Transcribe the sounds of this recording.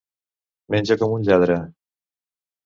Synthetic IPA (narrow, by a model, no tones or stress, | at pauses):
menʲd͡ʒəkɔmunʎaðɾə